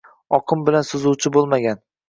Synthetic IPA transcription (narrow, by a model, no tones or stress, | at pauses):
ɒqʰɨmbɪlansʊzʊwt͡ʃʰɪbolˠmaɡʲan